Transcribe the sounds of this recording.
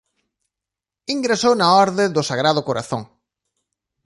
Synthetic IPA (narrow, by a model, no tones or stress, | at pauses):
iŋɡɾesownaɔɾðɪd̪ʊsaɣ̞ɾað̞ʊkoɾa̰θõŋ